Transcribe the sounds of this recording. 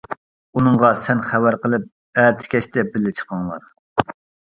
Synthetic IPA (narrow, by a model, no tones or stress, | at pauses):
unɨŋʁɑsɛnχæwæɾqəlˠɨp̚ | æɾt̪ʰɪ̥kʲɛʃt̪ʰɛbɪlːɪt͡ʃʰə̥qɑŋlˠɑ̰ɾ